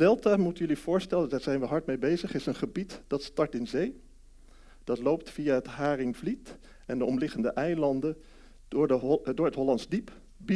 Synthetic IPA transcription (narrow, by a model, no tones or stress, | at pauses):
dɛlˠtamutənjɵliv̥ʊːɹstɛlədaːɹzɛjnʋəɦɑɹtmejbejzəχɪsənχəbitd̥ɑtstɑɹtɪnzej | d̥ɑtlowp̚tfijaɦətɦaːrɪŋvlit | ɛndəɔmlɪχəndəʔɛjlɑndə | dʊːɹətɦɔlɑntzdip | b